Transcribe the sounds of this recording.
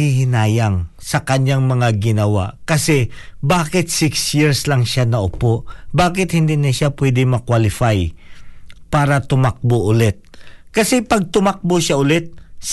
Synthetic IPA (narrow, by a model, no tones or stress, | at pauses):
ihɪnaːjɐŋsɐkɐɲjaŋmɐŋaɡɪnɐwa̰ʔkɐsɛbaːkɪt̪̚sɪksjiɹslɐŋʃanɐʔʊpobaːkɪt̪̚hɪnd̪inɐʃapwɛd̪ɪŋmɐkwalɪfaj | paːɾɐt̪ʊmak̚boʔʊlɛt̪̚kɐsɛpɐɡ̚t̪ʊmak̚boʃaʔʊlɛt̪̚s